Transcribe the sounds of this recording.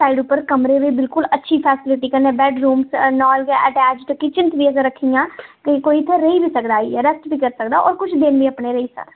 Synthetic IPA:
saːiɖʊpːəɾkəmɾeʋiːbɪlkʊlətːʃʰiːpʰɛːsɪlɪʈiːkəɾnẽbɛːɖɾuːmsnɔːlɡɛʔəʈɛːd͡ʒʈkit͡ʃɪnt̪ʋiːəɡəɾːəkʰːijãːkikoːit̪ʰːeɾəibiːsəkd̪aːiɛɾəsʈbʱiːkəɾsəkd̪aːʔɔːɾkʊt͡ʃʰd̪ɪnʋiːəpneːɾəiːsə̰ɾ

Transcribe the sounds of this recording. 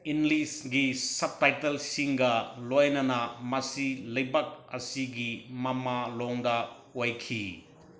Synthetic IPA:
inlisɡisɐb̚tajtɐlsiŋɡɐlojnɐnɐmɐsilɐjbɐk̚ɐsiɡimɐmalɔŋdɐ | ojkʰi

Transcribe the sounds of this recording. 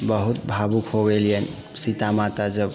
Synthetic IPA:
bəɦut̪bʱabukʰɦobelijən | sit̪amat̪ad͡ʒəb

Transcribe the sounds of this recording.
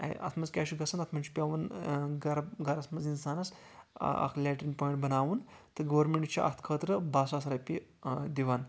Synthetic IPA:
ɐ̰t̪ʰmɐt͡skʲɛːʃiɡɐsɐnɐt̪ʰmɐnt͡ʃʰi̥pʲaʋɐnɡɐɾɡɐɾɐt̪mɐzinsaːnɐs | a̰kʰlʲɛʈɾinpɔːjɳʈbɐnaːʋuːnt̪ɐɡəʋɾmeɳʈt͡ʃʰiʔɐ̰t̪ʰkʰəːt̪ɾəbaːsasɾapid̪iʋan

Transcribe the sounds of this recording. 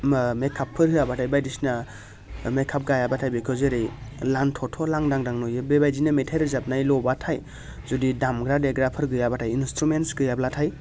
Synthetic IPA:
mekʰapʰːɯɾɦɯabatʰajbajdisna | mekʰap̚ɡajabatʰajbekʰɯzeɾɯjlantʰɔtʰɔlaŋdaŋdaŋnɔjɯbebajzinametʰajɾɯzap̚najlɔbatʰaj | zudidamɡɾadeɡɾapʰɯɾɡɯjabatʰajinstɾumentsɡɯjablatʰaj

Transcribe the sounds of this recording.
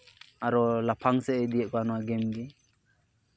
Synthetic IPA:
aɾɔlapʰaŋsɛɛd̪iɛʔkɔanɔwaɡɛmd̪i

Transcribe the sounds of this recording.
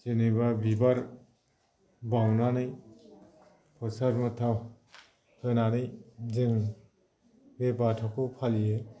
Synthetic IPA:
d͡ʒenɯbabibaɾ | bawnanɯj | pʰɔsaɾmɯtʰaw | hʰɯnanɯjzɯŋ | bebatʰɔkʰɯwpʰalie

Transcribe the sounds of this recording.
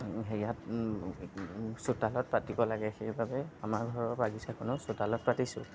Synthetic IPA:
xejat | sutalɔt̚pat̚dibɔlaɡɛxejbabɛamaɹɡʱɔɹɔɹbaɡisʰakʊnʊsʊtalɔt̚patisʊ̰

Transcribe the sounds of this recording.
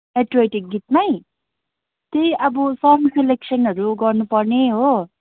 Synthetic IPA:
eʈrejʈik̚ɡit̪̚maj | t̪ejʔʌbʌsʌŋseleksʌnɦʌɾuɡʌrnupʌrneɦo

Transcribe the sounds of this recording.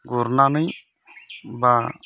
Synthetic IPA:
ɡuɾnanəj | ba

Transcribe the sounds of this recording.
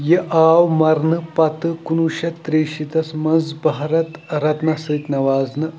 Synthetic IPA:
jeʔaːwmɐɾnɨpɐt̪ɨkunuːʃɐt̪ːɾeːʃit̪ɐsmɐnzbɐɦɾɐt̪ɾɐt̪nɐsɨːt̪ʲnɐʋaːznɨ

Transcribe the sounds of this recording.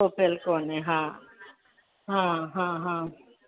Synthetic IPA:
oːpʰelkoːneɦãː | ɦãɦãɦãː

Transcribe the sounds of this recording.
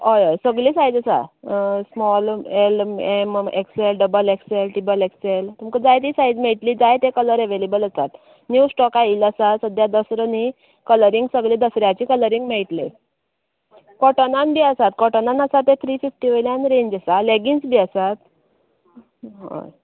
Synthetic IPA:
ɦojɔjsəɡlisajd͡zəsa̰smɔlelemḛkselɖəbəlekselʈibəlekselt̪uməkəd͡zajt̪iːsajd͡zmɛɭʈliːd͡zajt̪ekələɾeʋelebələsat̪ | njusʈɔkailəsasəd̪ʱjad̪əsɾəni | kələɾiŋɡsəɡlid̪əsɾjat͡ɕiːkələɾiŋɡmɛɭʈle | kɔʈənanbiəsat̪̚kɔʈənanəsat̪ːet̪ʰɾififʈiʋəjljãnɾeɲd͡ʑəsaleɡinsbʱiːəsat̪ | ɦo̰j

